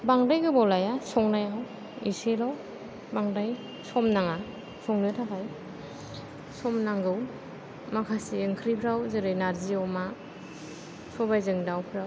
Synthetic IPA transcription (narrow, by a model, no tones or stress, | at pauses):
baŋdajɡɯbɔlajasɔŋnajaw | iselaw | baŋdaj | sɔmnaŋa | sɔŋnɯtʰakʰaj | sɔmnaŋɡɯw | makʰasiɯŋkʰɾipʰɾawzɯɾɯjnaɾziɔma | sɔbajzɯŋdawpʰɾaw